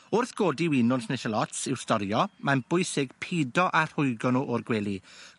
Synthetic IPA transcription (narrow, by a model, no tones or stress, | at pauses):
ʊrθɡ̥oːdiwɪnʊnsnɛʃəlˠɔtsɪwstɔɾjɔmanb̥ʊjsɪɡ̥pʰidɔʔar̥hʊjɡɔnɔʔɔrɡwɛːlˠi